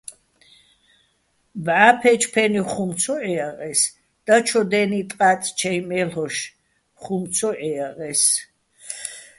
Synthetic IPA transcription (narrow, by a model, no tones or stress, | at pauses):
bʕapʰɛt͡ʃʰpʰɛniχumsʰɔʔɛaʁɛs | d̪̥at͡ʃʰɔd̪ɛnit̪ʼqʼat̪ʼt͡ʃʰɛjmɛlɔʃ | χumsʰɔʔɛaʁɛs